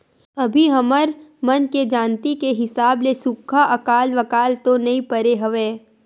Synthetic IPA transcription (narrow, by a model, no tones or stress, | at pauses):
ɐbʱiɦɐməɾmɐnked͡ʒaːnt̪ikeɦɪsaːblesʊkʰːaʔɐkaːlʋɐkaːlt̪onɐɦĩpəɾeɦɐʋeː